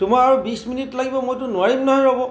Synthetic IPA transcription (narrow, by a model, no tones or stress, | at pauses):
tʊmaaɹubisminitlaɡibɔmojtʊnʊaɹimnɔɦɔjɹɔbɔ